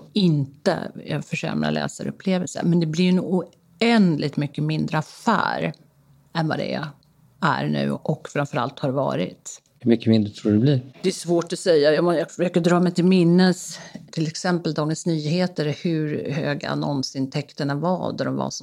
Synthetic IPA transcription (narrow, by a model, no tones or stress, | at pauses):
ɪnt̪ə̰jɑfœʂɛ̰mɾa̰lɛ̰ːsaɾɵ̰pʰːleːvəlsə̰mɛnd̪ɛblɪɾjnʊ | ɛnd̪lɪɡ̚t̪mʏkːəmɪnd̪ɾəafæ̰ːɾ | ɛnva̰d̪ɛ̰ | æ̰ɾɳʉ̟ːɔkfɾamfœɾa̰lt̪haɾvɑ̰ːɾɪ̰t̪ | hɵmʏkːəmɪnd̪ɾət̪ʰɾuːɖɛbliɾd̪̥ɛæsvoːʈɔsɛjːajɑmɛjɑfœʂøːkəd̪ɾɑːmɛjt̪ʰɪlmɪnːəst̪ʰɪlɛksɛmpəld̪ɑːɡənsnyːɦeːt̪əɾhɵɾhøːɡa̰a̰nɔnsɪnt̪ʰɛkt̪əɳavad̪ɔɾɔmva̰s